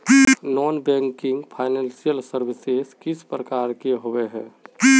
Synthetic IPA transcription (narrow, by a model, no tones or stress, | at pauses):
nɔːnbɛ̃ŋkɪ̃ŋɡpʰaːɪnɛ̃nsijəlsəɾʋɪseskɪspɾəkaːɾkeɦoweɦɛ̃ː